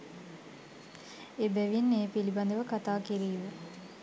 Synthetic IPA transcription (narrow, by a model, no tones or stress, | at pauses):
ebæʋinːeːpiliband̪əʋəkat̪aːkiɾiːʋə